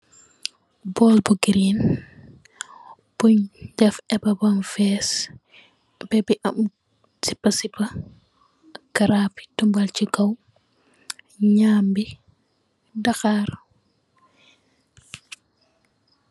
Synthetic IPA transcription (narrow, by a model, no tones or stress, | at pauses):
bɔlbuɡiɾin | b̥uɲdɛfɛbɐbɐnfɛs | b̥ɛbiʔɐm | sipːɐsipːɐ | kɐɾaːpi̥tumbalt͡ʃiɡɐw | ɲaːmbi | daxaːɾ